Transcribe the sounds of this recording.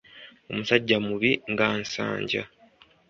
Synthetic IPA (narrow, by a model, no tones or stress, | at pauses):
o̞musaɟːamuβiŋɡansa̰ːɲɟa̰